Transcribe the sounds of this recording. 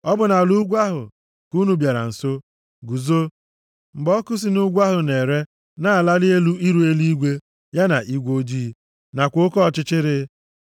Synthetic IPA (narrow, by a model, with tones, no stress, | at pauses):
ɔ˦bʊ˨na˨lu˦ɡʷa˦ɦʊ̰˨ | ku˦nu˨bja˨ɾa̰˨n̩˨so˦ | ɡu˨zo˦ | ŋ͡m̩˨ɡ͡bɔ˦kʊ˦s̬i˨nu˦ɡʷa˦ɦʊ˨ne˨ɾe˦ | na˨a˨la˦lɪ˦e˦lu˦i˦ɾu˨˦e˦li˦i˦ɡʷe˦ | ja˦na̰˨ʔi˦ɡʷo˦d͡ʒi˦˨ | na˨kʷo˦kɔ˦˨t͡ʃɪ˦t͡ʃɪ˦ɾɪ˦